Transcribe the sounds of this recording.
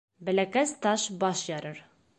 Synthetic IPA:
bɘ̆lækæst̪ɑʃbɒʃjɒɾɤɾ

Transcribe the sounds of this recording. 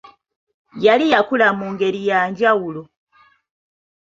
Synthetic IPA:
jalijakulamuːŋɡe̞ɾijaːɲɟawulo

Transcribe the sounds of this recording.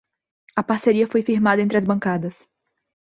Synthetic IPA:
ɐpaɾseɾiɐfojfiɾmad̪ɐẽnt̪ɾɐzbɐ̃ŋkad̪ɐs

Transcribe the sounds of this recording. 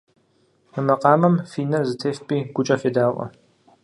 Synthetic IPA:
mɨmɐqʼɑːmɐmfiːnɐrzɨtʰeːfpʼiːɡ̥ʷʊt͡ʃʼɐfeːdaːwʔʷʼɐ̰

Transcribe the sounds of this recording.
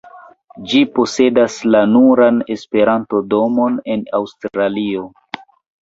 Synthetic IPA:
d͡ʒipo̞se̞daslanuɾane̞spe̞ɾanto̞do̞mo̞ne̞nawstɾɾalio

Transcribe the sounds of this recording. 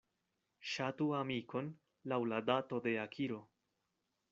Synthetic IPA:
ʃatuamikʰo̞n | lawladato̞de̞akʰiɾo̞

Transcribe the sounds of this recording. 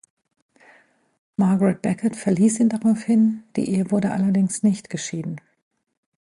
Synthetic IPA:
maɐɡəʁɛt̚b̥ɛkɐtfɛɐliːsiːndaʁaʊfhɪnd̥ḭːʔeːəvʊɐdəʔalɐdɪŋsnɪçtɡ̥əʃiːdn̩

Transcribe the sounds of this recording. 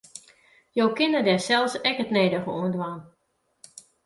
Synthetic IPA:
jowkɪnədɛsɛlˠsɛkətneːdəχəuəndʋaːn

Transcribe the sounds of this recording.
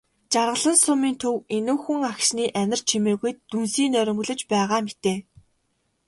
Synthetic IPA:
t͡ɕarʁə̆ɮə̆nsʊmiːnt̪ʰɵwenoːxuŋakʃniːʔænʲɪ̆r̥t͡ɕʰimeːɣujt̪ːunsiːnœɾʲɪ̆mɡɵ̆ɮɵ̆t͡ɕpæːʁaːmet̪eː

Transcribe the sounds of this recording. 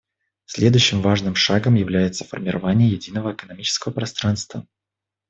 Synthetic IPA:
sʲlʲe̞d̪ʊjɕːɪmvaʐnɨmʂaɡəmjɪvlʲæjɪt̪səfə̰rmʲɪɾʔɐ̰vanʲɪjəjɪdʲinəvəɪkənɐmʲit͡ɕɪ̥skəvəpɾɐst̪ɾanst̪və

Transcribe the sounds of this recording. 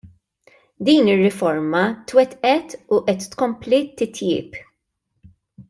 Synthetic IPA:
d̪iːnɪrːɪfɔɾmɐt̪wɛt̪ʔɛt̪uʔɛt̪ːkɔmplit̪ɪt̪jɪ̰ːp

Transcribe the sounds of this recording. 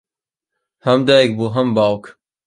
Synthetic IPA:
hɐmd̪ajek̚buɦɐmbaːwk

